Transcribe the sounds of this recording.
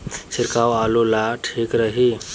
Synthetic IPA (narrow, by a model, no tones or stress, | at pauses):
sʰiɾkawalulaʈʰikɾəɦi